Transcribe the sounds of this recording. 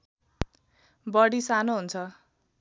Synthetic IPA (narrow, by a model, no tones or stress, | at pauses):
bʌɽisanoɦunt͡sʰʌ